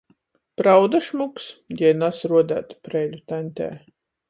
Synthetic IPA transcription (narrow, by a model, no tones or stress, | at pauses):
pɾawd̪aʃmuksjʲɛnasɾuɔd̪æ̰ːt̪pɾɛjlʲut̪ænʲt̪ʲɛ̰ː